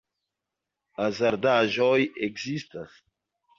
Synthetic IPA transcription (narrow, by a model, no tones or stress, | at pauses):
azaɾd̪aʒojekzist̪as